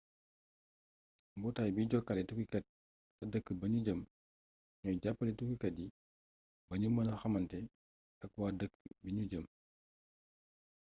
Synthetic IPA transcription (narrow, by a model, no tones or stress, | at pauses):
mbɔtaːjbiɟɔkːɐlɛtukikɐt̚ː | ɐdəkːəbɐɲuɟəm | ɲɔjɟapːɐlitukikɐt̚ji | bɐɲumɐnɐxɐmɐntɛ | ɐk̚waːdəkːbiɲuɟəm